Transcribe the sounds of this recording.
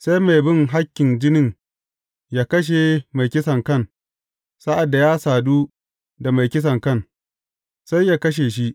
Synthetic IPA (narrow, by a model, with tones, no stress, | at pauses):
sa˦jma˨jbɪ˦ŋɦa˦kʲːɪ˨nd͡ʒɪ˦nɪ˦ŋ | jaː˦kɐ˦ʃ̬e˨ma˨jkʲɪ˦sɐ˨ŋkɐ˦˨n | sa˦ʔa˨dːa˨jaː˦saː˨duː˦ | da˨ma˨jkʲɪ˦s̬ɐ˨ŋkɐ˦˨n | sa˦jːaː˦kɐ˦ʃ̬eː˨ʃi˦ʔ